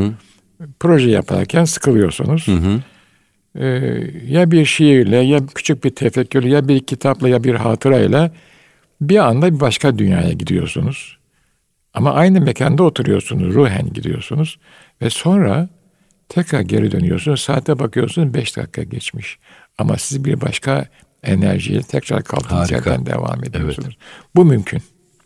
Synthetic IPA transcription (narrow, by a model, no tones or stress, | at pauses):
pɾo̞ʒɛja̰pʰa̰ɾcʰænsɯ̥kʰɯlˠɯjo̞ɾsṵnuz̥ | jabiɾʃejiɾlʲɛjacʰy̥t͡ʃʰyc̚biɾt̪ʰefɛcːyɾlʲyjabiɾcʰit̪ʰaplˠajabiɾɦaːt̪ʰɯɾailʲˠa | biand̪abibaʃkad̪ynjaːja̰ɟid̪ijo̞̰ɾsunuz̥ | amaʔajnɯmecʰand̪ɛo̞t̪ʰuɾujo̞ɾsunuzɾuɦæ̰nɟid̪ḭjo̞̰sunuz̥ | vɛso̞nɾa | t̪ʰɛkɾaɾɟe̞ɾid̪ø̞nyjo̞ɾsunuzsaːt̪ʰːɛbakʰɯjo̞̰ɾsunuzbɛʃd̪a̰kʰːaɟɛt͡ʃmiʃ | amasizbiɾbaʃkʰa | enæ̰ɾʒḭjɛt̪ʰɛcɾa̰ɾkʰalˠk̪ʰɯcʰæ̰ɾd̪æ̰nd̪ḛva̰ːme̞d̪ijosunuz̥bumymcʰyn